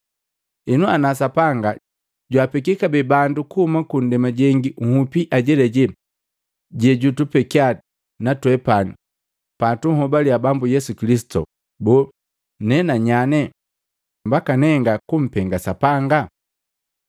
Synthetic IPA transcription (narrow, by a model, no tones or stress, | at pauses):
ɛnuanasapaŋɡa | ɟwapɛkikabɛbandukuhumakun̩dɛmaɟɛŋɡiuhupiʔaɟɛlɛɟɛ | ɟɛɟutupɛkia | natwɛpani | patuhɔbaliabambujɛsukilisi̥tṵ | bɔ | nɛnaɲanɛ | mbakanɛŋɡakum̩pɛŋɡasapaŋɡa